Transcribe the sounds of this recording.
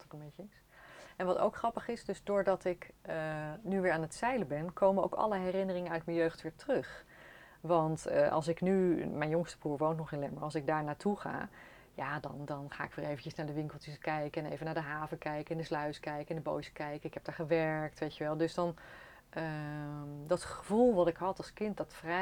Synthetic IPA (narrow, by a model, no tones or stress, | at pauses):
tkənbejcəɪs | ɛnʋɑto̰wkχrɑpəχɪsdøzdʊːɹdɑtɪkənyʋɪːɹaːnətsɛjləbɛnkʰowməno̰wkɑ̰ləɦɛrɪnərɪŋənœɥtmənjøɥχtʋɪːɹtərɵχ | ʋɑntəʔɑ̰lˠs̬ɪknymɛjnjʊŋstə̥buːɹʋowntnɔχɪnlɛməɹɑlˠsɪɡ̚daːɹnaːtuχa̰ː | jaːdɑ̰ndɑnχa̰ːɪkʋɪːɹejvəncəsnaːɹdəʋɪŋkəl̩ˠtəskɛjkəɛnḛjvənaɹdəɦaːvəkɛjkəɛndəslœɥskɛjkəɛndəbo̰wsə̥kɛjkəɪkɦɛp̚d̥aːɹχəʋɛɹk̚tʋejtəʋɛlˠdɵsdɑn | ʔə | dɑtχəvulˠʋɑtɪkɦɑtɑlˠskɪnt̚dɑtfrɛ